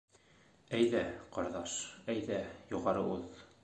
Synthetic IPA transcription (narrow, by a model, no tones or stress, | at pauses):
æjðæqɒɾðɑʃæjðæjuʁɑɾɤʉð